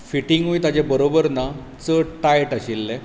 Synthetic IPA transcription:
fiʈiŋɡɦujt̪ad͡ʑebəɾobəɾna | t͡səʈajʈaɕilːɛ

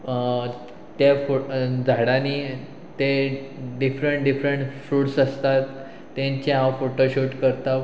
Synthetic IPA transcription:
t̪jafod͡zʱaɽaniː | t̪eɖifɾəɳʈɖifɾəɳʈfuːʈsəst̪at̪ː | jãɲt͡ɕeɦãfoʈoɕuʈkəɾt̪aʋ

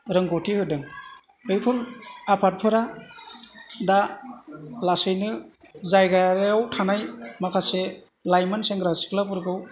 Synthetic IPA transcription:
ɾɯŋɡotʰihɯdɯŋ | ɯjpʰɯɾapʰat̚pʰɯɾa | da | lasɯjnɯzajɡaɾjawtʰanajmakʰase | lajmanseŋɡɾasi̥klapɯɾɡɯw

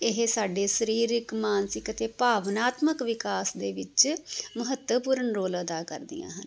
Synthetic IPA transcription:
ɪɦsaːɖeːsəɾiːɾɪkmaːnsɪkət̪eːpaːʋənaːt̪məkʋɪkaːsd̪eːʋɪt͡ʃməɦət̪əpuːɾənɾoːləd̪aːkə̰ɾd̪ɪ̰jã̰ːɦən

